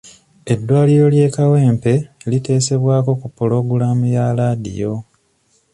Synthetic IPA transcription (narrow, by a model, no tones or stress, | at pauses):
e̞dːwaːliɾo̞lje̞ːkawe̞ːmpe̞lite̞ːse̞βwaːko̞kupːulo̞ɡulaːmujalaːdḭjo̞